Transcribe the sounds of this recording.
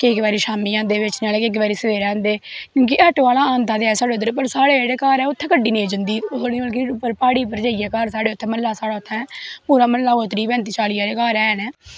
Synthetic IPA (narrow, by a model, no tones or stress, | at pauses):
keːkʋaːɾiːʃaːmiːãːnd̪eːʋɪt͡ʃnaːleːkeːk̬ʋaːɾiːsəʋeːɾãːnd̪eːkõːkɪʔəʈːʋaːlaːaːnt̪aːd̪eːɛːsaːɽeːʊd̪əɾːpəɾsaːɽeːeːɽeːkaːɾɛːʊt̪ʰːɛ̃ːkəɖiːnẽːd͡ʒənd̪iːoiːəlkɪpːəɾpaːɽiːp̬əɾd͡ʒaːiːɛːkaːɾsaːɽeːʊt̪ʰːɛ̃ːməllaːsaːɽaːʊt̪ʰːɛ̃ːpuːɾaːməlːaːot̪əɾiːpɛ̃ːnt̪iːt͡ʃaːliːaːɾeːkaːɾɛːnɛː